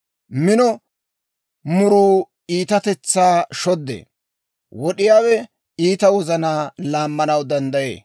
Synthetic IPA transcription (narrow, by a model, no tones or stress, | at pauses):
mɪnɔ | mʊɾuː | iːt̪ɐt̪ɛt͡sːaːʃɔd̪ːḛː | wɔɗɪjaːwɛ | iːt̪ɐwɔzɐnaːlaːmːɐnɐwd̪ɐnd̪ɐjḛː